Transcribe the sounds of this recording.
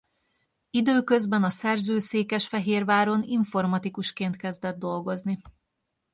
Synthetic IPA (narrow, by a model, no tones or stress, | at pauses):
id̪øːkø̞zbɛnɒsɛrzøːseːkɛʃfɛɦeːrvaːɾo̞niɱfo̞rmɒt̪ikuʃkeːnt̪kɛzd̪ɛd̪ːo̞lɡo̞zni